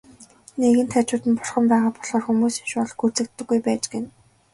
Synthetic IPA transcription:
neɣɘ̆nt̪ʰæt͡ɕʊːt̪ɘ̆npʊrχə̆mpæːʁaːpɔɮχɔːrxumuːsinʃʊːɮxur̥t͡sɘ̆k̚t̪ːɘ̆ɡːujpæːt͡ɕɡĕn

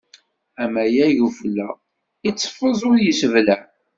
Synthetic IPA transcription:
æmæjæʝuflːæ | it͡sːfːəzˤʊɾjəsəvlæ

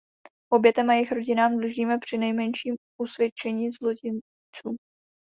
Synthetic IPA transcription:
ʔo̞bjɛt̪ɛmajɪxɾo̞ɟɪnaːmdluʒiːmɛpr̝̥ɪnɛjmɛnʃiːm | ʔusvjɛt͡ʃɛɲiːzlo̞cɪn | t͡suː

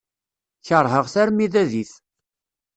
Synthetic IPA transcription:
çəɾˤɦəʁθæɾmiðæðiθ

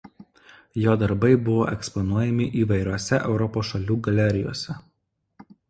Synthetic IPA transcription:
joːd̪ɐɾbɐɪbʊʋo̰ːʔɛkspɔnuɔjɛmʲɪʔiːʋɐɪɾʲoɔsʲɛʔɛʊɾɔpoːsʃɐlʲuːɡɐlʲɛɾʲɪjo̰ːsʲɛ

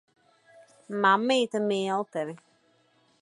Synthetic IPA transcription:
mamːetəmeːɔtɛɾi

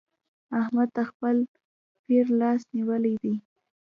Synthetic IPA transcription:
ahmad̪̚t̪axpəl | piɾlɑsniwəlad̪i

